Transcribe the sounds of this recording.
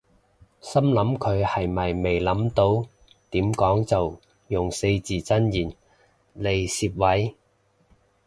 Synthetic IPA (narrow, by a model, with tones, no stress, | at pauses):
sɐ˥mlɐ˨˥mkʰɵ˨˧ɥhɐ˨jmɐ˨˩jme˨jlɐ˨˥mt̪o˧w | t̪iː˨˥mkɔː˨˥ŋt͡sɐ˨w | jʊ˨ŋse˧jt͡siː˨t͡sɐ˥njiː˨˩n | le˨˩jsiː˧p̚wɐ˨˥j